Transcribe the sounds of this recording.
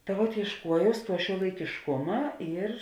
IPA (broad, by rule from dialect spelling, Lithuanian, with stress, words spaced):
tɐ ʋuɔt iɛʃˈkuɔjɛʊs ˈtuɔ ʃʲuɔlˠɐɪkʲɪʃˈkʊmɐ ɪr